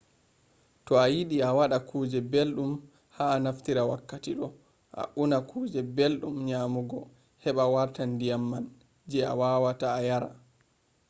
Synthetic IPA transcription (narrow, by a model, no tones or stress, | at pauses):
tɔajiɗiawaɗakʰuːd͡ʒɛbelɗum | haːnaftiɾawakːatiɗɔ | ʔa̰ʔunakʰuːd͡ʒɛbelɗumɲamuɡɔ | hɛɓawaɾtandijamːan | d͡ʒɛa̰wawataːjaɾa̰